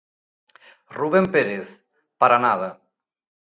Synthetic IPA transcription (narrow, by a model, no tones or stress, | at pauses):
ruβ̞empeɾeθ | paɾanaða